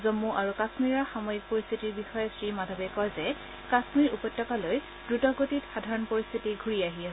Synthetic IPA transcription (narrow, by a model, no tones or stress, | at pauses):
zomːuʔaɹukasmiɹaxamɔjik̚poɹist̪ʰitiɹbixɔjɛsɹimadʱɔbɛkɔjzɛ | kasmiɹupɔjtːɔkaloj | dɹutɔɡotitxadʱaɹɔnpoɹist̪ʰitiɡʱuɹiaɦia